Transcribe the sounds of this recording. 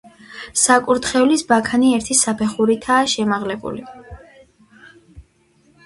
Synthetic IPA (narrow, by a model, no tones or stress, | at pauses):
sakʼuɾt̪χɛulisbakʰaniɛɾt̪ʰisapʰɛχuɾit̪ʰaːʃɛmaʁlɛbṵli